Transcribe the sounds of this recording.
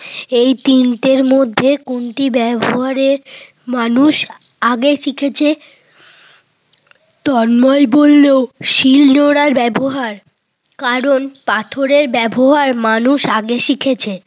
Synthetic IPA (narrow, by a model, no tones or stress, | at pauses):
ejt̪iɳʈeɾmod̪ʱːekoɳʈibɛboɦaɾeɾ | manuʃ | aɡeʃikʰet͡ɕʰe | t̪ɔɾmɔebolːeoʃilnoɽaɾbɛboɦaɾ | kaɾonpat̪ʰoɾeɾbɛboɦaɾmanuʃaɡeʃikʰet͡ɕʰe